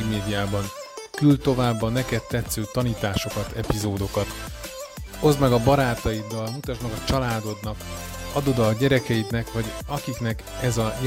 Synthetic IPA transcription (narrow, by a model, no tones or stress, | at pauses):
meːd̪ijaːbɒŋ | kylt̪o̞vaːbːɒnɛkɛt̪ːɛt̪søːt̪ɒniːt̪aːʃo̞kɒt̪ʰɛpizoːd̪o̞kɒt̪ | o̞zmɛɡɒbɒɾaːt̪ɒjid̪ːɒlmut̪ɒʃmɛɡɒt͡ʃɒlaːd̪o̞d̪nɒk | ɒd̪od̪ɒɟɛɾɛkɛjit̪nɛkʋɒɟɒkiknɛk | ɛzɒj